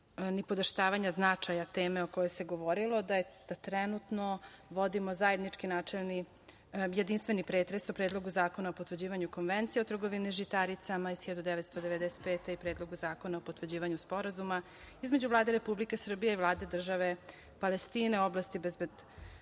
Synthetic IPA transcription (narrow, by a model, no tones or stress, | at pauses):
nipo̞d̪eʃt̪aːʋaɲaznat͡ʃajat̪eːmeokojo̞jseɡoʋoɾilˠo̞d̪aed̪̥at̪ɾɛnut̪noʋo̞d̪imozajed̪nit͡ʂkinaːt͡ʂelni | jed̪inst̪ʋe̞nipɾeːt̪ɾesopɾeːd̪lˠo̞ɡuzaːko̞naopot̪ʋrd͡ʑiːʋaɲukonʋent̪sijeot̪r̩ɡoʋiniʒit̪aɾit̪samaisçed̪ud̪ɛʋet̪st̪od̪eʋe̞d̪ɛse̥t̪̚peːt̪eipɾeːd̪loɡuzaːko̞naopot̪ʋrd͡ʑiːʋaɲuspo̞ɾazuma | izme̞d͡ʑuvlˠaːd̪eɾe̞publikesr̩bijeivlˠaːd̪e̞d̪r̩ʒaʋe̞ | palest̪iːne̞oblˠast̪ibezbed̪